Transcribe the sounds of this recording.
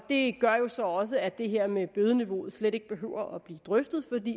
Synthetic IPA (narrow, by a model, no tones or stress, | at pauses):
d̥e̝ɡ̥ɶɐjo̝sɒ̽ɒ̽s̬əæd̥e̝ɦe̝ɐ̰meb̥øð̞ˠəniʋo̝̰ð̩ˠsleɾe̝ɡ̥əb̥e̝ɦø̰ʊ̰ɐʔɒb̥liːd̥ʁœfd̥ð̩ˠfɒ̽d̥ḭː